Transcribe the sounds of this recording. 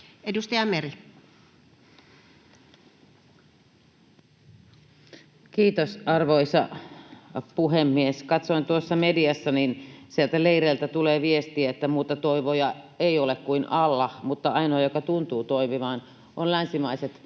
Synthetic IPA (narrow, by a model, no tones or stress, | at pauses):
edust̪ɑjɑmeri | kiːt̪osɑrʋoisɑ̰ | puɦemːieskɑt̪soint̪uosːɑmediɑsːɑninsielt̪æleiɾeːlt̪æt̪uleːʋiest̪iæet̪ːæmuːt̪ɑt̪oiʋojɑ | eiolekkuinɑlːɑmut̪ːɑɑinoɑjokɑt̪unt̪uːt̪oimiʋɑːn | ʔonlænsimɑiset̪